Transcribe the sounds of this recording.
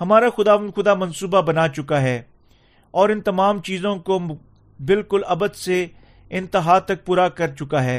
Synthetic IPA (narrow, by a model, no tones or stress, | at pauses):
ɦɐmaːɾaxʊd̪aːʋənd̪xʊd̪amɐ̃nsuːbabɐnaːt͡ʃʊkaɦɛː | ɔːɾɪ̃nt̪ɐmaːmt͡ʃiːzõko | bɪlkʊlɐbəd̪se | ɪ̃nt̪ɪɦaːt̪ːɐk̚puːɾakɐɾt͡ʃʊkaɦɛː